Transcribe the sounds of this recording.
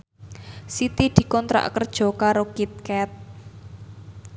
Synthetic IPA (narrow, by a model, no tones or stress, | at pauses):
sit̪id̪̥i̤kɔnt̪ɾa̰ʔkərd̥ʒ̥ɔ̤kaɾokit̪̚kɛt̪̚